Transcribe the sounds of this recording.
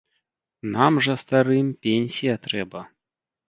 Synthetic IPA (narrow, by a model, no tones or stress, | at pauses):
namʐɐst̪aɾɨmʲpʲenʲsʲijɐt̪ɾɛbɐ